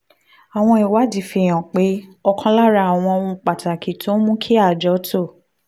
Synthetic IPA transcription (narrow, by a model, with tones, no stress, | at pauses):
a˨w̃ɔ̃˧i˨wa˨˦di˨fi˧˨j̃ã˨k͡pe˨˦ɔ˧kʰã˧la˦ɾa˧˦a˨w̃ɔ̃˧o˧ũ˧k͡pa˨ta˨kʰi˨tũ˦mũ˦kʰi˦a˦˨d͡ʒɔ˨˦to˦˨